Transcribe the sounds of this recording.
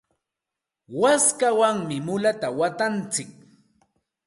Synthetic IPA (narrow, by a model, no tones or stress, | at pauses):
waskawaŋmɪmʊlat̪awat̪ant͡sɪk̚